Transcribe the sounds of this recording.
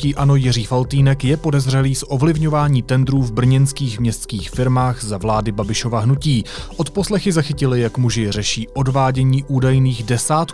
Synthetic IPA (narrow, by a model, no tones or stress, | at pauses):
ciːʔano̞jɪriːfalt̪iːnɛkjɛpo̞dɛzr̝ɛliːsʔo̞vlɪvɲo̞vaːɲiːt̪ɛndɾuːvbr̩ɲɛnskiːxmɲɛst̪skiːxfɪɾmaːɣzavlaːdɪbabɪʃo̞vaɦnuciːʔo̞t̪po̞slɛxɪzaxɪcɪlɪjakmuʒɪr̝ɛʃiːʔo̞dvaːɟɛɲiːʔuːdajniːɣdɛsaːt̪